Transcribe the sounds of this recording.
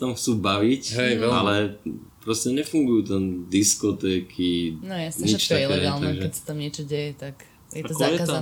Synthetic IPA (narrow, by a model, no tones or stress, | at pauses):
t̪amxt͡suːbaʋicɦɛjalɛpɾɔscɛɲɛfuŋɡujuːt̪ɛnd̪iskɔt̪ɛkʰinɔjasɲit͡ʃt̪akɛːlt̪aɡʒɛɛsḁt̪amɲɪɛt͡ʃɔɟɛjɛt̪ak | jɛtakajɛa